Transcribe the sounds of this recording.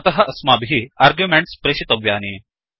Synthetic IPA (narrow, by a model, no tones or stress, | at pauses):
t̪ɐɦɐʔɐsmaːbɦiːaːɾɡjumeɳʈspɾeɕit̪ɐʋjaːniː